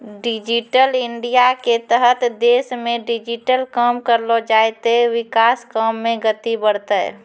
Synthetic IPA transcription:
ɖɪd͡ʒiʈəlɪɳɖijaket̪əɦət̪d̪eːʃmẽɖɪd͡ʒɪʈəlkəmkəɾlod͡ʒaːjt̪ewɪkaːskəmːẽɡət̪ibəɽt̪əɛ̰

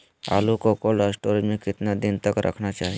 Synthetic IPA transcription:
a̰lukɔkolasʈoɾmẽkɪt̪nad̪int̪əkɾʔə̰kʰnat͡ʃaːɦi

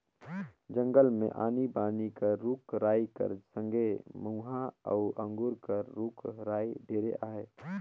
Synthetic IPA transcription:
d͡ʒə̃ŋɡəlmḛ̃ʔa̰ːnibaːnikəɾuːkɾaːikə̰ɾsə̃ŋɡʱeməuɦaə̰ʊʔə̃ŋɡuɾkəɾːuːkɾaːiɖʱeːɾḛʔaːɦeː

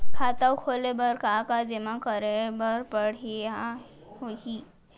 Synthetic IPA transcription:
kʰaːt̪awkʰoːlebəɾkakad͡ʒemakəɾebəɾpəɽia | hoɦi

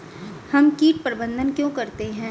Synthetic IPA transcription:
hɐmkiːʈ̚pɾɪbə̃nd̪ʱənkjõːkɐɾt̪eɦɛ̃ː

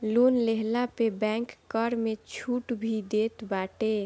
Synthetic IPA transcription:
lonleɦlapebɛ̃ŋkːəɾmet͡ʃʰuʈbʱid̪et̪baʈe

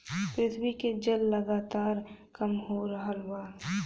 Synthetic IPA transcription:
pɾɪt̪ʰwiked͡ʒəlːɐɡaːt̪aːɾkɐmɦoɾəɦəlwaː

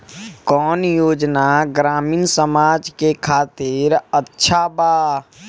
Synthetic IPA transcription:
kɔːnjoːd͡ʒnaɡɾaːmiːnsəmaːd͡ʒkekʰaːt̪ɪɾətːʃʰabaː

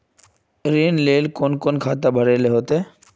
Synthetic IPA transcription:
ɾinlelkonkonkʰat̪abʱaɾeleɦot̪e

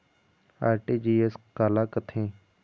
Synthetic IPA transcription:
a̰ːɾʈiːd͡ʒiːeskaːlaːkət̪ʰẽː

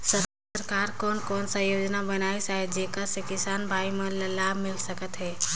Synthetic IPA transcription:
sə | ɾkaːɾkɔːnkɔːnsajoːd͡ʒnabɐnaːisaːɦɛd͡ʒeːkasekɪsaːnbʱaːimẽlɐlaːbmɪlsəkət̪ɦɛː

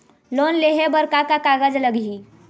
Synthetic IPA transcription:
lonleɦebəɾkakakaɡəd͡ʒləɡɦi

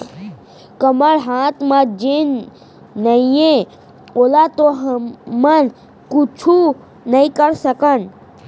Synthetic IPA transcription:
kəməɽɦaːt̪ʰmãd͡ʒenː | əijẽ | olat̪oɦmən | kut͡ʃʰu | nəĩkəɾsəkən

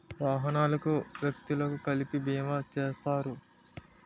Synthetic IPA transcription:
ʋaːɦɐnaːlɐkuʋjɐk̚t̪ilɐkukɐlipibijɐmat͡ʃeːst̪aːɾu

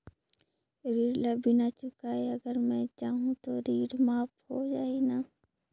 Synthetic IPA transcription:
ɾiːɽlɐbʱinat͡ʃʊkaːeɐɡəɾmɛ̃t͡ʃaːɦũt̪oɾiːɽmaːphod͡ʒaːinaː

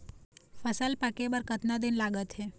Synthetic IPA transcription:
fʰəsəlpakebəɾkət̪nad̪ɪnlaːɡət̪ɦe

